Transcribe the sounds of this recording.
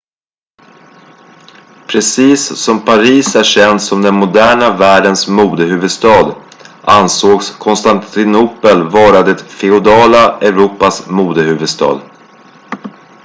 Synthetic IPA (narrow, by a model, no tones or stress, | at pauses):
pʰɾɛsiːsːɔmpʰaɾiːsæʂɛnd̪sɔmd̪ɛnmʊd̪æːɳavæːɖənsmuːd̪əɦʉ̟ːvɵd̪st̪ɑːd̪ | ʔansoːɡskʰɔnst̪ant̪ɪnupəlvɑːɾad̪ɛt̪fɛʊd̪ɑːlaɛɾuːpasmuːd̪əhʉ̟ːvɵd̪st̪ɑ̰ːd̪